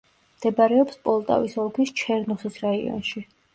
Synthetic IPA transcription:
md̪̥ɛbaɾɛɔpspʼɔlˠt̪ʼa̰visɔlˠkʰist͡ʃʰɛɾnɔχisɾaiɔ̰nʃi

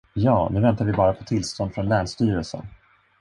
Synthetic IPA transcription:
jɑːnʉ̟ːvɛnt̪aɾvɪbɑːɾapʰɔ̥t̪ʰɪlst̪ɔnd̪fɾɔnlæːɳʂt̪yːɾəlsə̰n

